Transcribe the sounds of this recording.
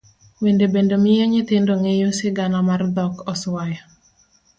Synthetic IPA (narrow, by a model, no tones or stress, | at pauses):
wendebendomɪjeɲɪt̪ɪndoŋejosɪɡanɔmard̪ɔkɔswajɔ